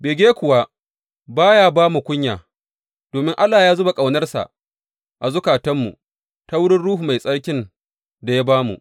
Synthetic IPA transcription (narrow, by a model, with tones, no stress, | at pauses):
beː˨ɡʲeː˦kʷʊ˨wa˦ | baː˦jaː˦baː˦mu˨kʷʊ˦ɲjaː˨ | d̥oː˨mɪ˦ŋʔa˦lːaː˨jaː˦zʊ˦ba˨kʼa˨wnɐ˦rsa̰˨ʔ | ʔa˨zʊ˦kaː˨tɐ˦mːṵ˨ | ta˦wʊ˦ɽɪ˦nɽuː˦hu˨ma˨jsʼɐ˦ɽkʲɪ˦n | da˨ja˦baː˦mṵ˨ʔ